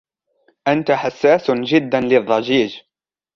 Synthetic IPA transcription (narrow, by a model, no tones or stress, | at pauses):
ʔant̪aħasːaːsd͡ʒɪd̪ːanlɪðˤːɑd͡ʒiːd͡ʒ